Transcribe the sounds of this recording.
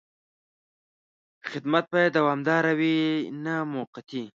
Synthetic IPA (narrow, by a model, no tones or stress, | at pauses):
xɪd̪mat̪̚bad̪awɑːmd̪ɑːɾawinamoqat̪i